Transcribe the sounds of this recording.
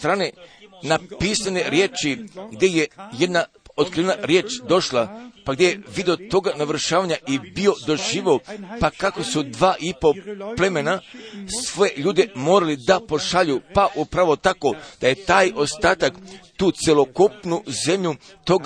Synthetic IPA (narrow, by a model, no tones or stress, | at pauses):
t̪ɾaːnenapisane̞ɾje̞ːt͡ʃiɡd̪ʲje̞jeje̞d̪na | ot̪kɾienaɾje̞ːt͡ʃd̪o̞ʃlˠapaɡd̪jejeʋid̪eo̞t̪o̞ɡanaʋɾ̩ʃaːʋaɲaʔibio̞d̪o̞ʒiːʋeopakako̞sud̪ʋaːʔipo̞ple̞me̞nasʋo̞je̞ʎuːd̪emo̞ːɾalid̪apo̞ʃaʎupaʔupɾaʋo̞t̪ako̞d̪̥aje̞t̪aːjo̞st̪aːt̪akt̪uːt̪selo̞kupnuze̞mʎu | t̪o̞ɡ